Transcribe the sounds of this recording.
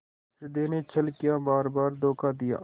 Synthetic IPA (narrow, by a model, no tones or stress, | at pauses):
sɪd̪eːneːt͡ʃʰəlkɪjaːbaːɾbaːɾd̪oːkaːd̪ɪja̰ː